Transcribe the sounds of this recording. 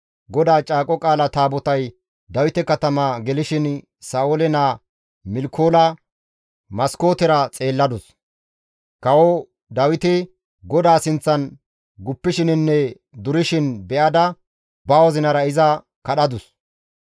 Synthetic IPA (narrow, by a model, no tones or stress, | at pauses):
ɡɔd̪aːt͡ʃʼaːkʼɔkʼaːlɐt̪aːbɔt̪ɐj | d̪ɐwɪt̪ɛkɐt̪ɐmaːɡɛlɪʃɪn | saːʔolɛnaː | mɪlkʰoːlɐ | mɐsko̞ːt̪ɛɾɐt͡sʼe̞ːlːɐd̪ʊs | kɐwɔ | d̪ɐwɪt̪ɪ | ɡɔd̪aːsɪnt͡sːɐn | ɡʊpːɪʃɪnɪnːɛ | d̪ʊɾɪʃɪnbɛʔɐd̪ɐ | bɐwɔzɪnɐɾɐɪzɐ | kɐɗɐd̪ʊs